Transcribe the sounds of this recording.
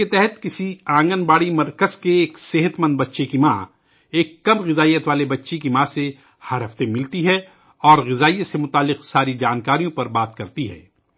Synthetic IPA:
et̪ɛɦɛt̪kɪsiãːŋɡənbaːɽimɐɾkəzkeːkseɦət̪mɐ̃nd̪̚bɐtːʃekimãː | eːkːɐmɣɪzaːijət̪ʋaːlebɐtːʃekimãːse | hɐɾɦɐft̪emɪlt̪iɦɛ | ɔːɾɣɪzaːijət̪semʊt̪aːlːɪqsaːɾid͡ʒaːnkaːɾijõpɐɾbaːt̪kɐɾt̪iɦɛ̰ː

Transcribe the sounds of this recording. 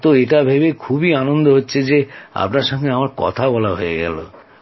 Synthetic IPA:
t̪oeʈabʱebekʰubianond̪oɦotːt͡ʃʰed͡ʑea̰pnaɾʃɔŋɡeamaɾkɔ̰t̪ʰabɔlaɦoeɡɛ̰lo̰

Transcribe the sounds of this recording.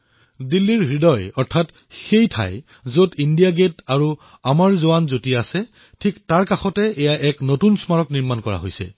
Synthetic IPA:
dilːiɹɦɹidɔjɔɹtʰat | xejtʰa̰j | zodindijaɡetaɹu | amaɹzoanzotiaasɛ | tʰiktaɹkaxɔtɛɛjaʔɛknotunsmaɹɔkniɹmankɔɹa̰ɦo̰jsɛ̰

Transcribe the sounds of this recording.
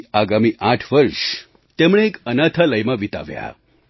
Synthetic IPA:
aɡamiʔaʈʰʋəɾʂ | t̪emɽ̃eːkənat̪ʰaləjmãʋit̪a̰ʋja̰

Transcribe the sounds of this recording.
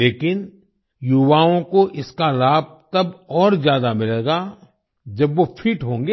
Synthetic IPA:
eːkɪn | jʊʋaːõkoʔɪskalaːb̚t̪ɐbɔːɾzjaːd̪amɪleːɡa | d͡ʒɐbʋopʰiːʈɦõːŋɡe

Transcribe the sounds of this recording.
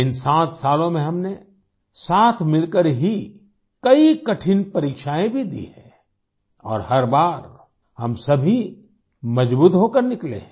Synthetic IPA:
ɪnsãːt̪ʰsaːlõmẽɦɐmne | saːt̪ʰmɪlkəɾɦi | kɐikɐʈʰɪnpɐɾiːkʃaːẽbʱid̪ḭɦɛ̰̃ː | ɔ̰ːɾhɐɾbaːɾ | hɐmsɐbʱi | mɐd͡ʒbuːt̪ɦoːkɐɾnɪklḛ̃

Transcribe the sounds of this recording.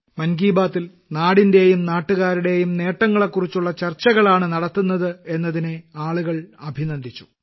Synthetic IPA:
mɐnɡiːbaːt̪ːil | naːɽinde̞jumnaːʈːuɣaːɾuɽe̞jumne̞ːʈːɐŋːɐɭe̞kːurit͡ɕːuɭːɐt͡ɕɐrt͡ɕːɐɣɐɭaːɳɨnɐɽɐt̪ːunːɐðɨe̞nːɐðineaːɭuɣɐɭɐbʱinɐnd̪ʱit͡ɕːu̥

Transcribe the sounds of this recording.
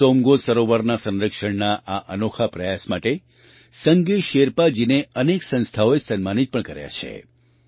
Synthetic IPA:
omɡosəɾoʋaɾnasə̃nɾəkʃəɳnaʔaʔənokʰapɾəjasmaʈe | səŋɡeʃeɾpad͡ʒineəneksə̃nst̪ʰaoesənmanit̪̚pəɳkəɾja̰t͡ʃʰḛ

